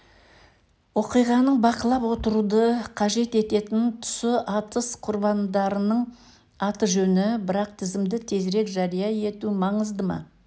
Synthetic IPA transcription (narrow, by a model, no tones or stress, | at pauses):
wo̞qijʁɑnəɴbɑqəlˠɑpwo̞t̪əɾud̪əqʰɑʒe̞t̪e̞t̪e̞t̪ɪnt̪ʰʏ̥sɪʔɑt̪əsqʰʊɾbɑnd̪ɑɾənəɴ | ɑt̪əʒɵnɪbɪɾɑq̚t̪ʰɪzɪmd̪ɪt̪ʰe̞zɾe̞kʒɑɾijɑje̞t̪umɑɴəzd̪əmɑ̰